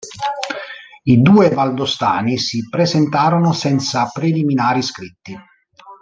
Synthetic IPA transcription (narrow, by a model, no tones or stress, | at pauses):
id̪uːevald̪ost̪a̰ːnisipɾezent̪aːɾonosɛnt̪sapɾeliminaːɾiskɾit̪ːi